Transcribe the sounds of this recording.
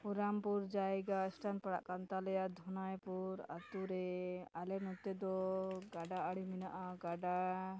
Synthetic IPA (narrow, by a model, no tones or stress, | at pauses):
puɾampuɾd͡ʒajɡaɛsʈanpaɽa̰ʔkant̪alɛjad̪ʱɔnajpuɾa̰t̪uɾɛalɛnɔt̪ɛd̪ɔɡaɖaaɽiminaʔaɡaɖa